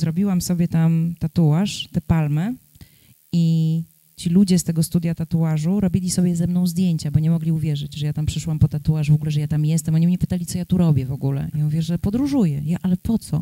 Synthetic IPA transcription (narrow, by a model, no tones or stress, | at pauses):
zɾɔbʲiwamsɔbʲjɛt̪amt̪at̪uaʂt̪ɛpalmɛ | i | t͡ɕilud͡ʑɛst̪ɛɡɔst̪ud̪jat̪at̪uaʐuɾɔbʲilʲisɔbʲjɛzɛmnɔ̃w̃zd̪ʲjeɲt͡ɕabɔɲɛmɔɡlʲiuvʲjɛʐɘd͡ʑʐɛjat̪ampʂɘʂwampɔt̪at̪uwaʐvɔɡulɛʐɛjat̪amjɛst̪ɛmɔɲimɲɛpɘ̥t̪alʲit̪ɔjat̪uɾɔbʲjɛvɔɡulɛ̰jãuvʲjɛʐɛpɔd̪ɾuʐujɛjaʔalɛpɔt̪sɔ